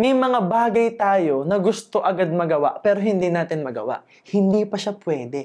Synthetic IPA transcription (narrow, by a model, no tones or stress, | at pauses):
mɐjmɐŋabaːɡɐjt̪aːjo̞nɐɡʊst̪o̞ʔɐɡad̪̚mɐɡɐwaʔpɛːɾo̞ɦɪnd̪iːnaːt̪ɪnmɐɡɐ̰wa̰ʔ | hɪnd̪iːpɐʃapwɛːd̪ɛ